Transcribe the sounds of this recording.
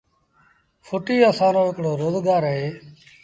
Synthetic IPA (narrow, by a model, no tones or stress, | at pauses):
fʰʊʈiːəsãːnõːɪkɽoːɾoːzɡaːɾəɦeː